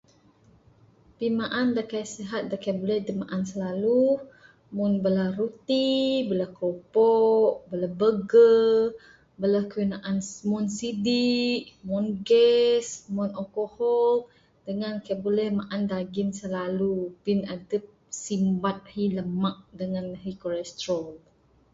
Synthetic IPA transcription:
pimaʔandakajseɦat̪̚dakajəbolɛhdəmaʔansəlalu | munbələrut̪ibələhkopɔʔbəlabəɡə | bəlahkəwinaʔanmɔnsidiʔmɔnɡɛsmɔnɔkohɔl | dəŋankajbolɛhmaʔandaɡinsəlalupinadəp̚simbat̪̚hiləmaʔ̚dəŋanɦikɔlɛst̪ɾɔ

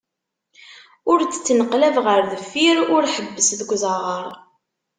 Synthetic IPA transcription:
ʊɾt͡sːə̥t͡sːnəqlævʁəɾðəfːiɾʊɾħəbːəsðəɡʷzˤəʁəɾˤ

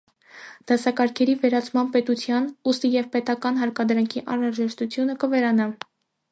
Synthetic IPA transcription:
d̪̥ɑsɑkɑɾkʰɛɾivɛɾɑt͡sʰmɑnpɛt̪ut͡sʰjɑnust̪ijɛvpɛt̪ɑkɑnɦɑɾkɑd̪ɾɑŋkʰiʔɑnɾɑʒɛʃt̪ut͡sʰjunəkəvɛɾɑnɑ

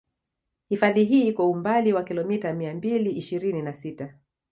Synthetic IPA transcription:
hifaðiɦiːikɔumbaliwakilɔmitamiambiliʔiʃiɾininasita

